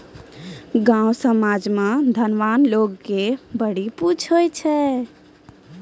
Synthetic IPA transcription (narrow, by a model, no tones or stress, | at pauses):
ɡãwsəmad͡ʒmãd̪ʱənʋanlokːebəɽiput͡ʃʰɦojt͡ʃʰɛ